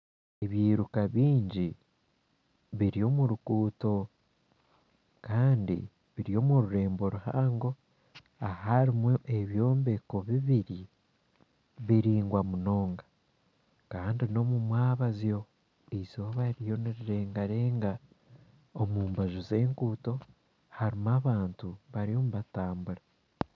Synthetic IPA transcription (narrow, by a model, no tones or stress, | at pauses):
eβjiːɾukaβiːɲɟi | βiɾio̞muɾukuːto̞ | kaːndḭ | βiɾijo̞ːmuɾuɾe̞ːmbo̞ɾuha̰ːŋɡo̞ | ahaɾimwoʔeβjo̞ːmbe̞ko̞βiβiɾi | βiɾiːŋɡwamuno̞ːŋɡḁ | kaːndino̞mumwaːβazjo̞ | ezoβaɾijo̞niɾiɾeːŋɡaɾeːŋɡa | omuːmbaʒuze̞ːŋkuːto̞ | haɾimaβaːntuβaɾijo̞muβataːmbuɾa